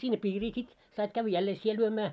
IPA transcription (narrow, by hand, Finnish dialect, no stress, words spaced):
sinːe piːriː sit sɑit kæʋˑæ̆ jælːeː sie lyømæː